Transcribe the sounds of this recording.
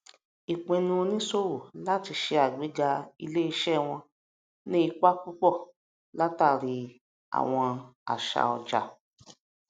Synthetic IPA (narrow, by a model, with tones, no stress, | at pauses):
i˨k͡pẽ˨˧nũ˧o˧nĩ˦so˦wo˨la˦ti˧ʃe˧a˨ɡ͡be˨˦d͡ʒa˧ḭ˧le˦i˧ʃɛ˦˨w̃ɔ̃˧ | nĩ˦i˧k͡pa˦k͡pu˦k͡pɔ˦˨ | la˦ta˦˨ɾi˧ | a̰˨w̃ɔ̃˧a̰˨ʃa̰˧˨ɔ˧d͡ʒa̰˧˨